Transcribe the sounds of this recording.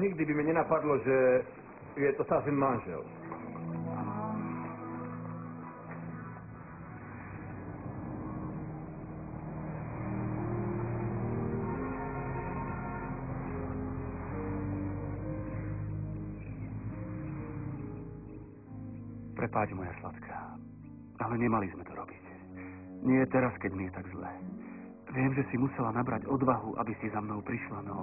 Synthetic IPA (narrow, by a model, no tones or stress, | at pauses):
ɲiɡd̪ɪbimɛɲɛnapad̪lɔʒɛ | ujɛt̪ɔst̪asinmanʒɛ̰l | pɾɛpaːd͡ʒmɔjasla̰t̪kʰḁ | alɛɲɛmalizmɛt̪ɔɾɔbic | ɲɪɛt̪ɛɾaskɛɟmijɛt̪aɡzlɛ̰ː | ʋɪɛmʒɛsimusɛlanabɾaɟɔd̪ʋaɦuʔa̰bisizamnɔʊpɾiʃlanɔ